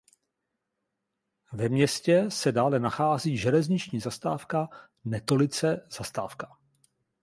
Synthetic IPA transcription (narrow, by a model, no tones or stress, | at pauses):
vɛmɲɛscɛsɛdaːlɛnaxaːziːʒɛlɛzɲɪt͡ʃɲiːzast̪aːfka | nɛt̪o̞lɪt͡sɛz̥ast̪a̰ːfkḁ